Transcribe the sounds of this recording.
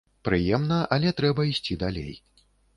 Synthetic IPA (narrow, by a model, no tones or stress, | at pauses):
pɾɨjɛmnɐʔɐlʲɛt̪ɾɛbɐisʲt͡sʲid̪alʲḛj